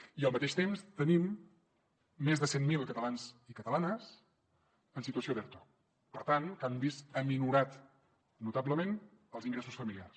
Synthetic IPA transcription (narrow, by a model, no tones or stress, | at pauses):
iəlˠmət̪eʃt̪emst̪ənim | ezðəsenmilˠkət̪əlanzikət̪əlanəs | ənsit̪uəsioðɛɾt̪o̥ | pəɾt̪ankambisəminuɾat̪ | nut̪abləmenəlˠziŋɡɾesusfəmiliars